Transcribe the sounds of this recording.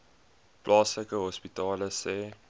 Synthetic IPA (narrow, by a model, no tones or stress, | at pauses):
plʔɑːsləkəɦɔspitɑːləsɛː